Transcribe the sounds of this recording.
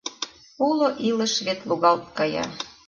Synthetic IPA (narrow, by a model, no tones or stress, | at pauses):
uloʔilə̆ʃβet̪luɣɑlt̪̚kɑjɑ̰